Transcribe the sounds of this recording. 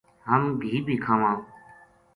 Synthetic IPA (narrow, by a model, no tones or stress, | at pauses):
ɦəmbʱiːbʱiːkʰaːʋãː